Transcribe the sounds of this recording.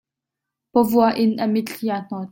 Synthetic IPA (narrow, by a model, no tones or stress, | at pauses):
pɔvuɐʔɪnʔɐmɪt͡ɬjaːn̥ɔːt